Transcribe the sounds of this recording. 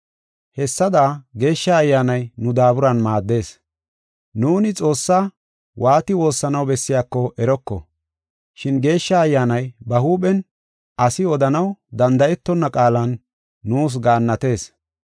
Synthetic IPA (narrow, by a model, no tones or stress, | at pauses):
hɛsːɐd̪aːɡe̞ːʃːɐːjːaːnɐjnʊd̪aːbʊɾɐnmaːd̪ːe̞ːs | nuːnɪt͡sʼo̞ːsːaː | wʔaːt̪ɪwo̞ːsːɐnɐwbɛsːɪjaːkːɔʔɛɾɔkːɔ̰ | ʃɪnɡe̞ːʃːɐːjːaːnɐjbɐhuːɓɛn | ɐsɪɔd̪ɐnɐwd̪ɐnd̪ɐʔɛt̪ːɔnːɐkʼaːlɐnː | uːs̬ɡaːnːɐt̪e̞ːs